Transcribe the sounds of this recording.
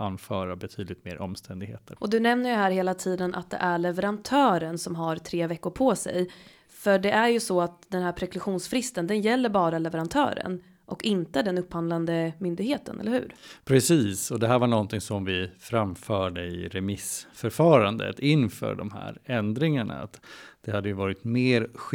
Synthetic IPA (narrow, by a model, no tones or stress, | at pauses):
anːfœːɾabɛt̪ʰyːd̪lɪt̪meːɾʔɔmst̪ʰɛnd̪ɪɡhḛːt̪ʰəɾʔɔd̪ɵnɛmnəɾjɵɦæːɾheːlat̪ʰiːd̪ənʔa̰t̪̚d̪ɛ̰ʔæɭɛvɛɾant̪ʰœːɾənsɔmɦaɾt̪ʰɾeːvɛkːʊɾpʰɔsɛ̰j | fœɖɛʔæɾjɵsɔat̪d̪ɛnhæːɾpʰɾɛklɵɧuːnsfɾɪst̪ənd̪ɛnjɛlːəɾbɑːɾalɛvɛɾant̪ʰœ̰ːɾə̰n | ʔɔkɪnt̪əæɖɛnɵpːhand̪land̪əmʏnd̪ɪɡheːt̪ə̰nʔɛ̰lːəɾhʉ̟̰ːɾpʰɾɛsiːsɔd̪ɛɦæːɾvaɳɔnt̪ɪŋsɔmvɪfɾamfœːɖəɪ̰ɾɛmɪsfœɾfɑːɾand̪ə̰t̪ɪnːfœ̰ːɖɔmhæ̰ːɾɛnd̪ɾɪŋaɳa̰a̰t̪d̪̥ɛhad̪ːəjɵvɑːɾɪt̪meːɾɧ